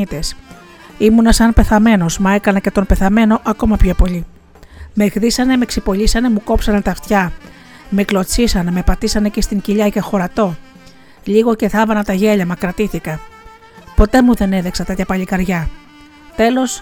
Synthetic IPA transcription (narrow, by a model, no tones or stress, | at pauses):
it̪e̞s | imunɐsɐnpe̞θɐme̞no̞smɐe̞kɐnɐce̞t̪o̞npe̞θɐme̞no̞ʔɐko̞mɐpço̞po̞ʎi | me̞xðisɐne̞me̞ksipo̞ʎisɐne̞muko̞psɐnɐt̪ɐft̪çɐ | meklo̞t͡sisɐneme̞pɐt̪isɐne̞cest̪iɲciʎɐcexo̞ɾɐt̪o̞ | ʎiɣo̞ce̞θɐvɐnɐt̪ɐʝe̞ʎɐmɐkɾɐt̪iθikɐ | po̞t̪e̞muðe̞ne̞ðeksɐt̪ɐt̪çɐpɐʎikɐɾʝɐ | t̪e̞lo̞s